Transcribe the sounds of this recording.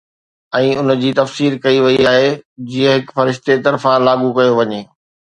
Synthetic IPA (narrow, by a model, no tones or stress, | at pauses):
ɛ̃ːʊn̆d͡ʑiːt̪ɐfsiːɾkɐiʋɐiaːɦed͡ʑiːə̃ɦɪkfɐɾɪʃt̪et̪ɐɾfãlaːɠukɐjoʋɐɲeː